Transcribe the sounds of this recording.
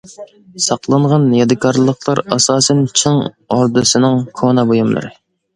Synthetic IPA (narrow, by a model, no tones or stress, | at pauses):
sɑqlˠɑɴʁɑnjɑd̪ɨkʰɑɾlˠəqlˠɑɾɑsɑːsɛnt͡ʃʰɨŋ | oɾd̪ɨsɨnɪŋkʰonɑbojumlˠɨ̰ɾɨ̰